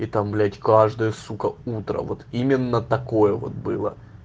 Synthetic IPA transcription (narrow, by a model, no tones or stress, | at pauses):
it̪amblʲætʲkaʐd̪əjəsukəut̪ɾə̰vo̞t̪imʲɪnːət̪ɐko̞jəvo̞̰t̪̚bɨlˠə̰